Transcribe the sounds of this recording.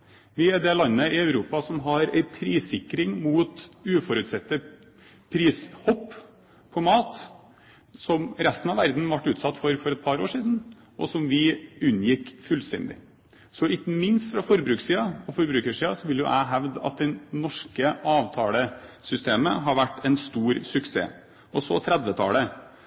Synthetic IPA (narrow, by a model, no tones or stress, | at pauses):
ʋɪɛd̪ɛlɑnːəɪœʉɾuːpɑsɔmɦɑɾæ̰ɪpʰɾiːsɪkɾɪŋmuːt̪ʉːfɔɾʉt̪sɛt̪ːə | pʰɾiːshɔpː | pʰɔmɑːt̪ | sɔmɾɛst̪ən̩ɑʋæɾd̪n̩ʋɑʈːʉːt̪sɑt̪ːfɔɾfɔɾɛt̪̚pʰɑɾoːʂiːd̪n̩ | ʔɔ̰sɔmʋɪʉnːjɪkːfʉːlst̪ɛ̰nd̪ɪ̰ | sɔɪkːəmɪnst̪fɾɑfɔɾbɾʉːksiːɑɔfɔɾbɾʉːkəʂiːɑsɔʋɪljʊ̰ʔæ̰ɪɦæʋd̪ɑ̰t̪̚d̪ɛnɔʂkəʔɑːʋt̪ʰɑːləsʏst̪eːmə̰ɦɑɾʋæʈːɛnst̪uːɾsʉksḛː | ɔsɔt̪ʰɾɛd̪ʋət̪ʰɑ̰ːlə